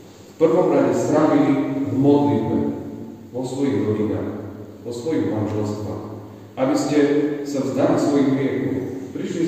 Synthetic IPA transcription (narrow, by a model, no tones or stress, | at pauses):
fpr̩ʋɔmɾaɟɛst̪ɾaʋilivmɔd̪lid̪bɛʋɔsʋɔjiɣɾɔɾid̪a̰ːx | ʋɔsʋɔjiɣmanʒɛlst̪ʋa̰x | ʔabiscɛsavzd̪alisʋɔjiɣɾɪɛkɔpɾiʃli